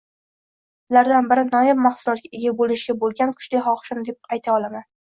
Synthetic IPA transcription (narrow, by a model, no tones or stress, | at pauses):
ʊlaɾd̪anbɪɾɪnɒjɪmmɑχsʊlˠɒt̪̚ɡʲaeɡʲabolɪʃɡʲabolˠɡʲankʰʊ̥ʃlɪjχɒχʃɪmd̪e̞p̚ajt̪ʰaɒlˠaman